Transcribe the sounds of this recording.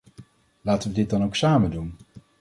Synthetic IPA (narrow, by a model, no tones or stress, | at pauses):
laːtəʋədɪt̚dɑnowksaːməndun